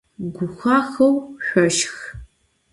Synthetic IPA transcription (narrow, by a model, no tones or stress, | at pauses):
ɡʷʊxʷaːxɐwɕʷɔʃx